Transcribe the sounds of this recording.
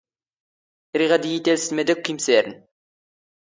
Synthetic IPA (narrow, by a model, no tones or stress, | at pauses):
ɾiʁɑd̪ijit̪elsizmed̪ɪk̚kːimseɾn